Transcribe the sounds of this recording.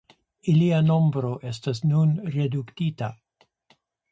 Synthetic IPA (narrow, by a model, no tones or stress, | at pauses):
iliano̞mbɾo̞ʔe̞stasnunɾeduktita